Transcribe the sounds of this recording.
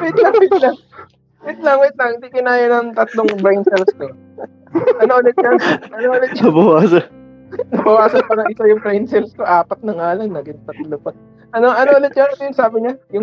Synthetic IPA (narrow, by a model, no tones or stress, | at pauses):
wɪt̪lɐŋwɪt̪lɐŋ | wɪt̪̚lɐŋwɪt̪̚lɐŋhɪnd̪ikɪnaːjɐnɐŋt̪ɐt̪loŋbɾɛjnsɛlsko | ʔɐnoʔolɛt̪̚jaʔɐnoʔolɛt̪̚t͡ʃɐbɐwaːsɐ | nɐbɐwaːsɐnpaːɾɐŋʔɪsajʊŋbɾɛjnsɛlsko̞ʔaːpɐt̪̚nɐŋaːlɐŋnɐɡɪŋt̪ɐt̪lopɐt̪̚ | ʔɐnoʔɐnoʔolɛt̪̚t͡ʃɐnɐnojʊŋsaːbɪɲajʊŋ